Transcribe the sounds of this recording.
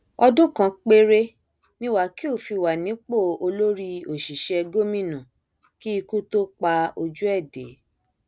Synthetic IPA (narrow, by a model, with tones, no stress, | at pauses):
ɔ˧dũ˦kã˧k͡pe˧ɾe˦ | nĩ˦wa˨˦ki˦o˦˨fi˧wa˨nĩ˨˦k͡po˦˨o˧lo˦ɾi˧o˨ʃi˨ʃɛ˧ɡo˦mĩ˦˨nũ˨ | ki˦i˧ku˦to˦k͡pa˧o˧d͡ʒu˦ɛ˦˨dḛ˨˦